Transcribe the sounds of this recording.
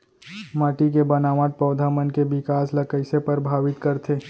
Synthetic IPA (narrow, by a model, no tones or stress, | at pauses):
maːʈikebɐnaːʋaʈ̪̚pɐːd̪ʱamənkebɪkaːslɐkəɪsepɐɾbʱaːʋɪt̪kɐɾt̪ʰeː